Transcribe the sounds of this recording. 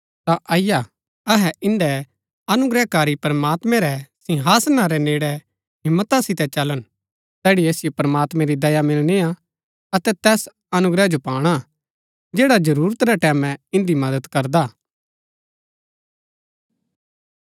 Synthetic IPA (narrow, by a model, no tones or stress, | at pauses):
t̪aʔɐɪja | ɐɦɛʔɪ̃nd̪ɛ | ɐnʊɡɾɛkaːɾipɾəmaːt̪mɛ̃ɾɛsɪ̃ɦaːsnaɾɛneːɽɛ | ɦɪ̃mːət̪asɪt̪ɛt͡ʃɐlən | t̪ɛːɽieːsɪjopɐɾəmaːt̪mɛ̃ɾid̪ɐjamɪlnea | ɐt̪ɛt̪ɛːs | ɐnʊɡɾɛd͡ʒopaːɽ̃a | d͡ʒeːɽad͡ʒɐɾuːɾət̪ɾɛʈɛːmɛ̃ɪ̃nd̪imɐd̪ət̪kɐɾd̪aː